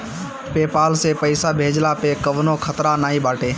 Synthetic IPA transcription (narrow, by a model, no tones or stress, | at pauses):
peːpaːlseːpəɪsaːbʱeːd͡ʒlaːpeːkəʋnõːkʰət̪ɾaːnaːiːɓaːʈeː